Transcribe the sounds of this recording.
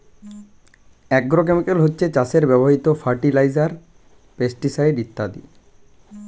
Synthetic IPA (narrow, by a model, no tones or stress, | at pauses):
ɛɡ̚ɡɾok̬emikelɦotːɕʰet͡ɕaseɾbɛboɦit̪ofʰaɾʈilajzaɾ | pesʈisajɖit̪ːad̪ḭ